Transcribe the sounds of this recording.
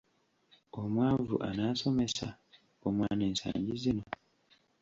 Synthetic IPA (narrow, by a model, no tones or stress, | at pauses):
omwaːvṵʔanaːso̞me̞sa | omwaːne̞ːnsa̰ːɲɟizino̞